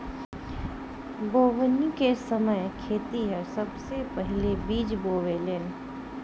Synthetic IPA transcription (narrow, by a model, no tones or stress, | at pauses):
boːʋənikesəməjkʰeːt̪iɦɛsɐbsepəɦɪlebiːd͡ʒboːʋeleːn